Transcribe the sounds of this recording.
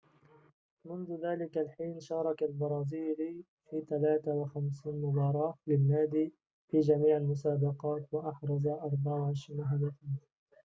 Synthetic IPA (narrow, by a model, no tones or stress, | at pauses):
mʊnðʊðaːlɪkalħiːnʃɑːɾˤɑkalbɑɾˤɑːziːl | fiːt̪alaːt̪awaxamsiːnmʊbɑːɾˤɑːlɪlmaːd̪iː | fiːd͡ʒamiːʕalmʊsaːbɑqɑːt̪waʔɑħɾˤɑzaʔɑɾˤbaʕʕʃmaɦad̪at̪iː